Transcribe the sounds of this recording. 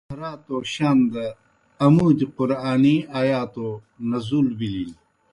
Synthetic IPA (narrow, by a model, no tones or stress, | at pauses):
ɐɾaːt̪oːɕɐnd̪ɐ | ɐmuːd̪iqʊɾaːniaːjaːt̪o | nɐzuːlbilil